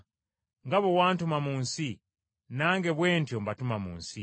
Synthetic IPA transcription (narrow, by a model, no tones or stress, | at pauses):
ŋɡaβowaːntumamuːnsi | naːŋɡe̞βwe̞ːntjombatumamṵːnsi